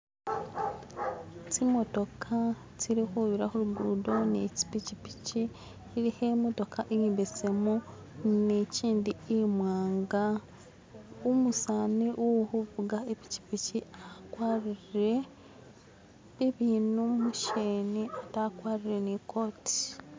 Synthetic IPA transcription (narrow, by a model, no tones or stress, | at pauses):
timo̞to̞kʰa | tiɾixuβiɾaxuɾuɡuːdo̞nḛci̥picipi̥ci | iɾihemoto̞kʰaʔejiːmbet͡semu | neciːndiemwaːŋɡa | umusaneʔoohuvuɡaepi̥ci̥piciakwaɾiɾiɾe | βiβinumuʃeniatakwaːɾiɾe̞niko̞ti̥